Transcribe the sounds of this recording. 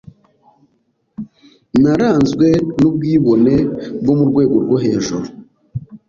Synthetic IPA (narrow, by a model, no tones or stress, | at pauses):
naɾaːnzɡwe̞nub̚ɡiːβo̞ne̞bɡo̞muɾɡwe̞ːɡo̞ɾɡo̞ɦe̞ːʒuɾo